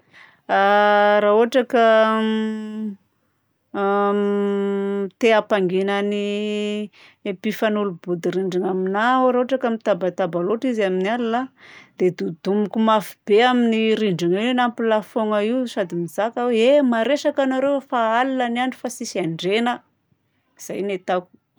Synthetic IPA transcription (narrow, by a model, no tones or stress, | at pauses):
aɾaoaʈ͡ʂakə | t̪eapaŋɡenani | epifanulubud̪iɾiɳɖ͡ʐiŋaminaoɾaoʈ͡ʂakamit̪abat̪abaloʈ͡ʂizaminalilad̪̥ed̪ud̪umukumafib̥eaminiɾiɳɖ͡ʐiŋienampilafoŋaiwsad̪imizakaweemaɾeʃakanaɾewfaalilaniaɳɖ͡ʐufasisiaɳɖ͡ʐenə | iz̥ajnet̪aku̥